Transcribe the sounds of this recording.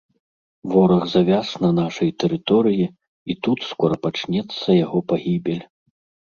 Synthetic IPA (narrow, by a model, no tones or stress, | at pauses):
vɔɾɐɣzavʲasnɐnaʂɐjt̪ɛɾɨt̪ɔɾɨji | it̪ut̪skɔɾɐpat͡ʂnʲɛt̪sːɐjaɣɔpaɣʲibʲɛlʲ